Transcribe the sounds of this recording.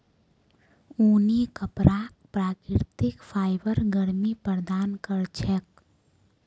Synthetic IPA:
uːnikəpɾaːk̚pɾaːkɾɪɾt̪ɪkpʰaːɪbəɾɡəɾmipɾəɾd̪aːnkəɾt͡ʃʰɛk̚

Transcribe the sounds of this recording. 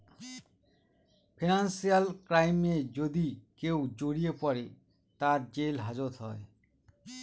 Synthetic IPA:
pʰinansijalkɾajmed͡ʑod̪ikewd͡ʑoɽijepɔɾe | t̪aɾd͡ʑelɦad͡ʑot̪ɦɔe

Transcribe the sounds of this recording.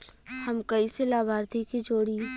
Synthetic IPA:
hɐmkɐiselaːbʱaːɾt̪ʰikid͡ʒoːɽi

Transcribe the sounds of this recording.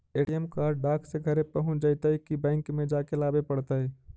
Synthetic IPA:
eːʈijəmkaːɾɖ̚ɖaːkʰseɡʱəɾẽpəɦʊ̃d͡ʒəɪt̪əɦikibɛ̃ːŋkmẽd͡ʒaːkelaːbepəɽt̪aɦɛ

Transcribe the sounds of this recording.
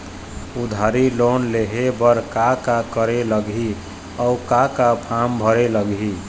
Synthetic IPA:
ud̪ʱaɾilonleɦebəɾkakakəɾeləɡi | ɔukakapʰambʱəɾeləɡi

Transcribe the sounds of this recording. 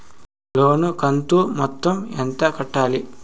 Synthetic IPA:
loːnukɐnt̪umɔt̪ːɐment̪ɐkɐʈːaːli

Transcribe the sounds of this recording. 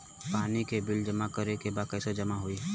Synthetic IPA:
paːnikebɪld͡ʒɐmakəɾekebaːkɛsed͡ʒɐmaɦoi

